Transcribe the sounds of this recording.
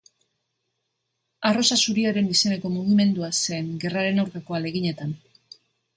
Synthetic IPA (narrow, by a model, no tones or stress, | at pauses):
aro̞sasuɾiaɾe̞nise̞ne̞ko̞muɣ̞ime̞nd̪uaseːŋɡe̞raɾe̞nawɾkako̞ale̞ɣiɲe̞t̪an